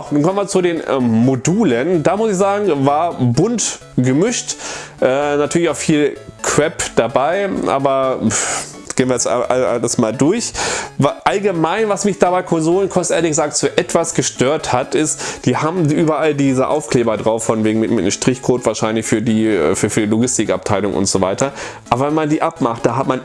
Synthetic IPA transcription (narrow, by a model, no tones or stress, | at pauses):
xnuːnkɔmənviɐt͡sudeːnmoduːləndaːmʊsɪçz̥aːɡŋ̩vaːɐbʊnt | ɡ̥əmʏʃtʔɛːnatʰyɐlɪçaʊfiːlkʰv̥ɛpd̥abaɪʔa̰ːbɐ | ɡ̥eːənviɐasʔa̰a̰lasmaːldʊɐçvʔalɡəmaɪnvasmɪçd̥aːbaɪkʰɔnzoːlənkʰɔsʔeːɐlɪçɡ̥əzaːk̚tfuːɐʔɛtv̥asɡ̥əʃtøːɐthatɪstd̥iːhaːbm̩ʔyːbɐʔaldiːzəʔa̰ʊfkl̥eːbɐdʁaʊfːɔnveːɡŋ̩mɪtmɪtnəmʃtʁ̥ɪçkʰoːtv̥aːɐʃaɪnlɪçfyːɐdiːfyːɐfyːdiːloɡɪstɪkap̚tʰaɪlʊŋʔʊ̰ntz̥oːvaɪtɐʔaːbɐvɛnmandiːʔapmaχtd̥aːɦatman